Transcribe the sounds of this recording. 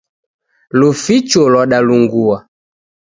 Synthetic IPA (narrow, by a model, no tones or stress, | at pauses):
lufit͡ʃɔlɔɗaluŋɡua